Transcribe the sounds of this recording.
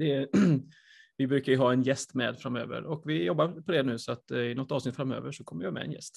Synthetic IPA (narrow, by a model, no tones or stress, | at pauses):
d̪ɛ | vɪbɾʉ̟ːkaɾjəɦɑːɛnjɛst̪mɛ̰ːd̪fɾamø̰ːvə̰ɾɔkvɪjɔbːapʰɔd̪ɛnʉ̟ːsɔat̪ɪnɔt̪ːɑːvsnɪt̪ːfɾamːø̰ːvəʂɔkʰɔmːəɾɪhɑːmɛ̰ɛ̰njɛ̰st̪